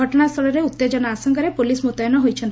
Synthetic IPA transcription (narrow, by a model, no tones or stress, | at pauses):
ɔʈɔɽ̃ast̪ʰɔɭɔɾeut̪ːed͡ʒɔnaasɔŋkaɾepulismut̪ajɔnɔɦojt͡ʃʰɔn